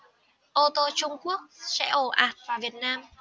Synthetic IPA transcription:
ʔo˧t̪o˧t͡ɕʊ˧ŋ͡mku˦˥ək̚sɛ̰˧˥ʔo˧˩ʔaː˨˩t̚vaː˨˩vi˨˩ət̚naː˧m

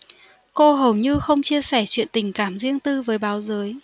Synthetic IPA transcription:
ko˧ɦə˨˩wɲɨ˧xə˧wŋ͡mt͡ɕi˧əsɛ˧˩t͡ɕwḭ˧˨ənt̪ï˧˩ŋ̟kaː˧˩mzi˧əŋt̪ɨ˧vəː˨˦jɓaː˨˦wzəː˨˦j

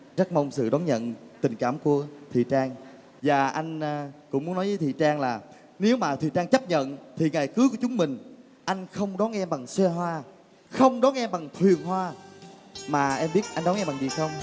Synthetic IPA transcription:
zə˦˥t̚mə˧wŋ͡msɨ̰˧˨ɗɔ˨˦nɲə̰˧˨nt̪ï˨˩ŋ̟kaː˧˩mku˧˩ət̪ʰḭ˧˨t͡ɕaː˧ŋ | vaː˨˩ʔa˧jŋ̟ː˧kʊ̰˧˥ŋ͡mu˨˦nɔ˨˦jvəː˨˦jt̪ʰḭ˧˨t͡ɕaː˧ŋlaː˨˩ | ne˨˦wmaː˨˩t̪ʰwḭ˨˩t͡ɕaː˧ŋt͡ɕə˦˥p̚ɲə̰˧˨nt̪ʰi˨˩ŋaː˨˩jkɨ˨˦ku˧˩ət͡ɕʊ˨˦ŋ͡mmï˨˩ŋ̟ | ʔa˧jŋ̟xə˧wŋ͡mɗɔ˨˦nʔɛ˧mɓa˨˩ŋswɛ˧ɦwaː˧ | xə˧wŋ͡mɗɔ˨˦nʔɛ˧mɓa˨˩ŋt̪ʰwi˨˩ənɦwaː˧ | maː˨˩ʔɛ˧mɓi˦˥ət̚ʔa˧jŋɗɔ˨˦nŋʔɛ˧mɓa˨˩zi˨˩xə˧wŋ͡m

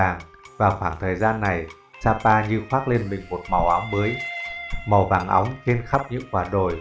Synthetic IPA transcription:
aː˨˩ŋ | vaː˨˩wxwaː˧˩ŋt̪ʰəː˨˩jzaː˧nːa˨˩j | saː˧paː˧ɲɨ˧xwaː˦˥t̚le˧nɓï˨˩ŋ̟mo˨˩t̚ma˨˩wʔa˨˦wŋ͡mɓəː˨˦j | ma˨˩wvaː˨˩ŋʔa̰˨˦wŋ͡mxi˧ənxa˦˥p̚ɲɨ̰˧˥ŋkwaː˧˩ɗo˨˩j

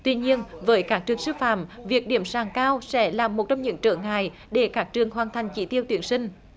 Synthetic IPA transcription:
t̪wi˧ɲi˧ənvəː˨˦jkaː˦˥k̚t͡ɕɨ˨˩əŋsɨ˧fa̰ː˧˩˥mvi˨˩ək̚ɗi˧˩əmsaː˨˩ŋkaː˧wsɛ̰˧˥laː˨˩mːo˨˩t̚t͡ɕɔ˧wŋ͡mɲɨ̰˧˥ŋt͡ɕəː˧˩ŋa̰ː˧˨j | ɗe˧˩kaː˦˥k̚t͡ɕɨ˨˩əŋɦwaː˨˩nt̪ʰa˨˩jŋ̟t͡ɕḭ˧˥t̪i˧əwt̪wənsï˧ŋ̟

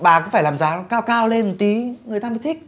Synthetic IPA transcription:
ɓaː˨˩kɔ˨˦faː˧˩jlaː˨˩mzaː˨˦kaː˧wkaː˧wle˧nt̪i˨˦ŋɨ˨˩əjt̪aː˧mi˨˦t̪ʰi˦˥k̚

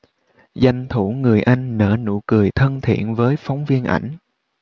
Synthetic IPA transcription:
za˨˩jŋ̟t̪ʰu˧˩ŋɨ˨˩əjʔa˧jŋ̟nə̰ː˧˥nṵ˧˩kɨ˨˩əjt̪ʰə˧nt̪ʰḭ˧˨ənvəː˨˦jfa˨˦wŋ͡mvi˧ənʔa̰˧˩jŋ̟

